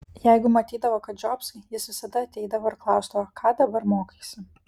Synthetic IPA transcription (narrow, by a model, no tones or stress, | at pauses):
jɛɪɡʊmɐt̪ʲiːd̪ɐʋoːkɐt̪̚d͡ʒʲɔpsʲjɪsʋʲɪsɐd̪ɐɐt̪ʲɛɪd̪ɐʋoːɪɾklˠɑˑʊsd̪ɐʋoːkʰɑːd̪ɐbɐɾmoːkʲesʲɪ